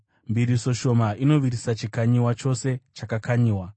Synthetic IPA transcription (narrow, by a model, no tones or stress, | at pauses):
mbiɾiso̞ʃo̞maino̞ʋirisat͡ʃikaɲiwat͡ʃo̞se̞t͡ʃakakaɲiːwa